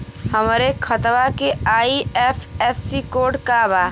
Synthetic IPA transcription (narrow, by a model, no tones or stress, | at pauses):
həmːɾekʰɐt̪ʋakeaːiɛːfʰɛːsːikoːɖkaːbaː